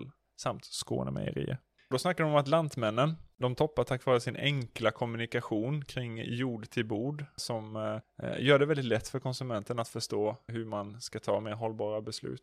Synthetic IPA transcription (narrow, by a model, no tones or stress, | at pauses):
l | samt̪sko̰ːnə̰mɛ̰jə̰ɾḭːə̰ | d̪ɔsnakːaɖɔmɔmat̪lant̪mɛnːənd̪ɔmt̪ʰɔpːat̪ʰakːvɑːɾəsɪnʔɛ̰ŋklakʰɔmɵnɪkaɧuːnkʰɾɪŋːjuːɖt̪ʰɪlbuːɖsɔm | jœːɖɛvɛld̪ɪt̪lɛt̪ːfœɾkʰɔnsɵmɛnt̪ənat̪fœʂtoːɦɵɾmanskat̪ʰɑ̰ːmeːɾɦɔlbɑːɾabɛslʉ̟̰ːt̪